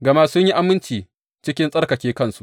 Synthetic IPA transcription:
ɡɐ˨ma˦sʊ˦ɲji˦ʔa˦mɪ˦nt͡ʃiː˨ | t͡ʃɪ˦kʲɪ˦nsʼɐ˦rkɐ˨kʲeː˦kɐ˦˨nsu̥˨˦ʔ

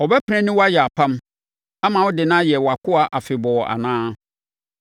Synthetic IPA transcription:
ɔ˨bɛ˦pʰɛ̃˦nɪ̃˦wɔ˦a˦jɛ˨a˨pʰã˦m | a˦mã˨wɔ˦dɪ˨nãː˦jɛ˨wɔ˨a˨kʊ˦a˨ʔa˨fɪ˨bɔ˨ɔ˨ʔa̰˨nãː˦

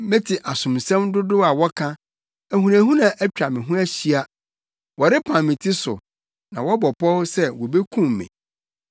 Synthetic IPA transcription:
mɪ̃˦tʰɪ˨ʔa˨sʊ̃˨msɛ̃˦mdʊ˦dʊ˦a˨wɔ˦kʰã˦ | æ˨hũ˨ɾã˨ɦũ˦nã˨ʔæ˦t͡ɕᶣa˨mɪ̃˨ɦʊ̃˦æ˦ɕi˦a˦ | wɔ˨ɾɪ˦pʰã˨mːɪ̃˨tʰɪ˦sʊ̰˨ | nã˨wɔ˦bɔ˨pʰɔ˦wsɛ˦wɔ˨be˦kʰũ˦mːɪ̰̃˨

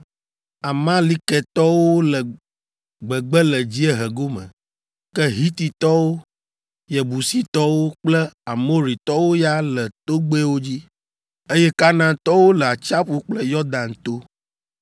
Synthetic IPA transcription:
a˨mã˦li˦kɛ˨t̪ɔ˦wo˦lə˨ | ɡ͡bɛ˨ɡ͡bɛ˦lɛ˨d͡ʑi˦ɛ˦ɦɛ˨ɡo˦mə̰̃˨ | kɛ˦ɦi˦t̪i˨t̪ɔ˦wo˦ | jɛ˨bu˨si˦t̪ɔ˦wo˦k͡plɛ˦a˨mo˦ɾi˨t̪ɔ˦wo˦ja˦lə˨t̪o˦ɡ͡be˦wo˦d͡ʑi˦ | e˦jɛ˦ka˦nã˦t̪ɔ˦wo˦lə˨a˨t͡ʃa˦ɸu˦k͡plɛ˦jɔ˦d̪ã˨n˨t̪o˦

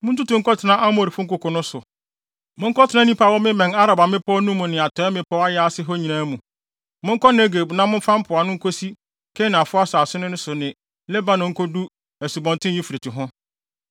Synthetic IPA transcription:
mʊ̃˦tu˦tũ˨ŋ̩˦kɔ˦tʰɪ˨nã˦ʔa˦mʊ̃˦˨ɾi˨fʊ˦ŋ̩˦kʊ˨kʰɔ˨nʊ̃˦sʊ˨ | mʊ̃˦ŋ̩˦kɔ˦tʰɪ˨nã˦nĩ˦pa˨wɔ˦mɪ̃˦mɛ̃˨na˦ɾa˨ba˨mɪ̃˦pʰɔ˦nũ˦mʊ̃˨nɪ̃˨a˨tʰɔ˨˦ɛ˦mɪ̃˦pʰɔ˦a˦jɛ˦a˦sɪ˦ɦɔ˦ɲĩ˨nã˦mũ˨ | mʊ̃˦ŋ̩˦kʰɔ˦ne˦ɡe˨bnã˦mʊ̃˦fã˦m̩˦pʰʊ˨a˨nʊ̃˦ŋ̩˦kʰo˦si˦ | kʰɛ˦nɪ̃˨a˨fʊ˦a˦sa˨sʊ˦nʊ̃˦nʊ̃˦sʊ˨nɪ̃˨ | lɛ˦ba˦nʊ̃˨ŋ̩˦kʰɔ˦du˦ | æ˨su˨bɔ̃˨ntʰɪ̃˦i˦fi˨ɾe˨tʰi˨ɦʊ̃˦

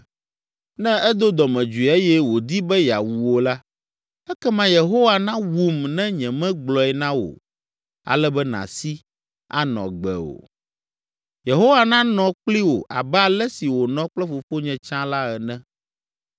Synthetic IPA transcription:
nɛ̃˦ɛ˦d̪o˦d̪ɔ˨mɛ̃˨d͡ʒu˨e˦jɛ˦wo˨d̪i˦bɛ˦ja̰˨wu˨wo˨la˦ | ɛ˦kɛ˦mã˦je˨ɦo˦wa˨nã˦wu˦˨mnɛ̃˦ɲɛ̃˨mɛ̃˦ɡ͡blɔ˨ɛ˨nã˦wo̰˨ | a̰˨lɛ˦bɛ˦nã̰˨si˦ | a̰˦nɔ̰̃˨ɡ͡bɛ̰˨o̰˨ | je˨ɦo˦wa˨nã˦nɔ̃˨k͡pli˦wo˨ʔa˨bɛ˦a˨lɛ˦si˨wo˨nɔ̃˦k͡plɛ˦fo˨fo˦ɲɛ̃˨t͡ʃã˦la˦ɛ˨nɛ̃˦

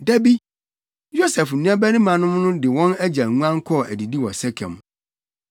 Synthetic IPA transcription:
dæ˦bi˦ | jo˦sɛ˨fñ˨˦ɛ̃˦bæ˦nɪ̃˦mã˨nʊ̃˦mnʊ̃˦dɪ˨wɔ̃˦næ˦d͡ʑæ˨lŋʷ˦ã˦ŋ˦kʰɔ˦˨ʔæ̰˨di˨di˦wɔ˨sɛ˦kʰɛ̰̃˨m˨

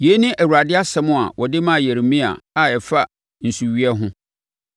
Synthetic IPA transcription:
je˨˦nĩ˦ʔæ˨wu˨ɾa˨dɪ˦a˦sɛ˦mʊ̃˦a̰˨wʔɔ˨dɪ˦mã˦˨je˨ɾmĩ˦a̰˨a˨ɛ˨fa˦ | n̩˨su˨ɥi˦ɛ˦ɦʊ̃˦

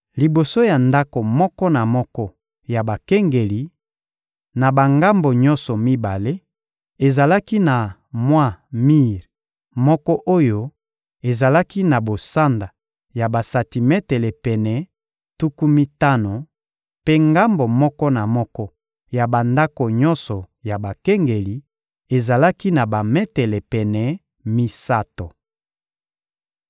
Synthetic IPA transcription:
li˨bo˨so˦ja˨nda˦ko˨mɔ˦kɔ˦na˨mɔ˦kɔ˦ | ja˨ba˨ke˦ŋɡe˨li˨ | na˨ba˨ŋɡa˦mbo˨ɲɔ̃˦nsɔ˨mi˦ba˨le˦ | e˨za˨la˦ki˦na˨mwa˦mi˦ʁ | mɔ˦kɔ˦ʔo˦jo˦ | e˨za˨la˦ki˦na˨bo˨sa˦nda˨ | ja˨ba˨sa˨ti˨mɛ˦tɛ˨le˨pɛ˨nɛ˨ | tu˦ku˦mi˦ta˦no˨ | pe˦ŋɡa˦mbo˨mɔ˦kɔ˦na˨mɔ˦kɔ˦ | ja˨ba˨nda˦ko˨ɲɔ˦nsɔ˨ | ja˨ba˨kɛ˦ŋɡe˨li˨ | e˨za˨la˦ki˦na˨ba˨mɛ˦tɛ˨le˨pɛ˨nɛ˨ | mi˦sa˦to˨

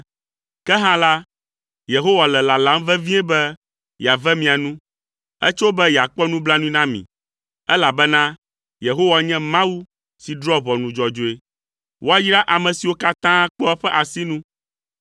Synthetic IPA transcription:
kɛ˦ɦã˦la˦ | je˨ɦo˦wa˨lɛ˨la˨la˨˦m˦vɛ˦vĩ˦ɛ˦bɛ˦ | jɛ˨a˨vɛ˦mĩ˨a˨nũ˦ | ɛ̰˦t͡ʃwo˦bɛ˦jɛ˨a˨k͡pɔ˦nũ˦bla˦nũ˦ĩ˦nã˦mḭ̃˨ | ɛ˦la˨bɛ˦nã˦ | je˨ɦo˦wa˨ɲɛ̃˦mã˦wu˦ | si˨dɾɔ˦βɔ˨nũ˨d͡ʒɔ˨d͡ʒo˦e˨ | wʔo˦a˦ji˦ɖa˦ʔa˨mɛ̃˨si˨wo˦ka˦t̪ã˦k͡pɔ˦ɛ˦ɸɛ˦ʔa˨si˦nũ˦

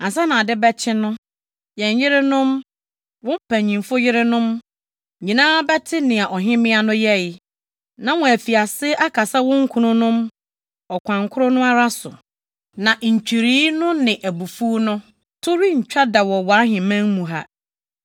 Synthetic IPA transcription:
ã˨sa˦nã˨a˨dɪ˦bɛ˦t͡ɕʰɪ˦nʊ̃˦ | jɛ̃˨ɲ˨jɪ˦ɾɪ˦nʊ̃˦m | wʊ̃˦m̩˦pʰæ̃˨ɲĩ˨mfʊ˦jɪ˦ɾɪ˦nʊ̃˦m˨ | ɲĩ˨nãː˦bɛ˦tʰɪ˦nɪ̃˨a˨ʔɔ˨ɦɪ̃˦mɪ̃˦a˦nʊ̃˦jɛ˦˨jɪ˨ | nã˨wɔ̃˨æ˨fi˨a˨sɪ˦ʔa˦kʰa˨sa˦wʊ̃˦ŋ̩˦kʰũ˨nʊ̃˦nʊ̃˦m | ɔ˨kʷʰã˨ŋkʰʊ˦ɾʊ˦nʊ̃˦a˦ɾa˦sʊ̰˨ | nã˨ɲ̩˨t͡ɕᶣi˨ɾiː˦nʊ̃˦nɪ̃˨ʔæ˨bu˨fu˦nʊ̃˦ | tʰʊ˦ɾi˦ɲ̩˨t͡ɕᶣa˦da˨wɔ˨wɔ˨a˦ɦɪ̃˨mæ̃˦ŋmũ˨ɦa̰˦

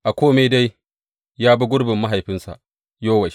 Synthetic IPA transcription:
ʔa˨kʷoː˦meː˦da˦j | jaː˦bɐ˦ɡʷʊ˦ɽbɪ˨mːa˦ɦa˨jɸɪ˦nsa̰˨ʔ | joː˦wɐ˨ʃi˦

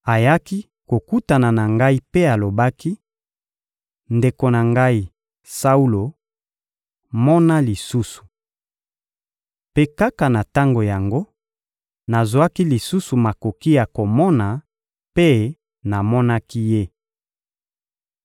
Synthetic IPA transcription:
a˨ja˦ki˦ | ko˨ku˦ta˨na˨na˨ŋɡa˦i˦pe˦a˨lo˨ba˦ki˦ | nde˨ko˨na˨ŋɡa˦i˦ | sa˦u˦lo˨ | mɔ˦na˦li˨su˦su̥˨ | pe˦ka˦ka˨na˨ta˦ŋɡo˨ja˨ŋɡo˦ | na˨zwa˦ki˦li˨su˦su˨ma˨ko˨ki˦ja˨ko˨mɔ˦na˨ | pe˦ | na˨mɔ˦na˦ki˦je˦

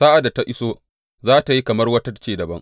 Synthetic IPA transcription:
sa˦ʔa˨da˨ta˦ʔɪ˦soː˦ | zaː˦ta˨ji˦kɐ˨mɐ˦rwɐ˦tɐ˦˨˦t͡ʃeː˦dɐ˨bɐ˦ŋ

